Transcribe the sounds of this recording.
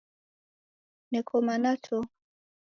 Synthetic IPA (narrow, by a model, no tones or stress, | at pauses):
nɛkʰɔmanatʰɔ